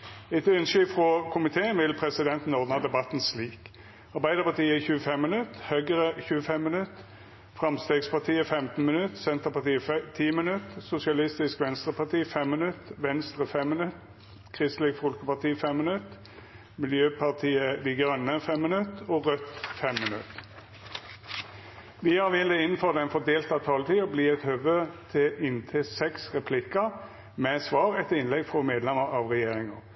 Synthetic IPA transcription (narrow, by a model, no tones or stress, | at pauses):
ɛt̪ʉnʃʏfʁɔkʰʊmɪt̪ʰeːənʋɪlpʰʁɛsɪd̪ɛnt̪n̩ɔʁd̪nɑd̪ɛbɑt̪ːnsliːk | ɑʁbæɪd̪əʁpɑʁt̪iːəɛçʉːəfɛmːənʉt̪ːhœɡəʁəçʉːəfɛmːənʉt̪ː | fʁɑmst̪eːɡspɑʁt̪ʰiːəfɛmt̪n̩mənʉt̪sɛnt̪əʁpɑt̪ʰiːət̪ʰiːmənʉt̪sʊsɪɑlɪst̪ɪskʋɛnst̪ʁəpɑʁt̪iːəfɛmːənʉt̪ːʋɛnst̪ʁəfɛmːənʉt̪ | kʰʁɪst̪lɪkfɔlkəpɑʁt̪iːfɛmːənʉt̪ | mɪljøːpʰɑʁt̪ʰiːəd̪iɡʁœnːəfɛmːənʉt̪oːʁœt̪ːfɛmːənʉt̪ | ʋɪːhɑʁʋɛld̪ɛɪnn̩fɔʁd̪ɛnfɔʁd̪eːlt̪ɑt̪ʰɑːlət̪ʰiːɔbliːɛt̪høʋøːt̪ʰɪʔɪnt̪ʰeːsɛksʁɛpʰlɪkə | mɛsʋɑːʁɛt̪ːəɪnlɛɡfʁɔmeːd̪lɛməʁɑːʋʁɛjeːʁɪŋə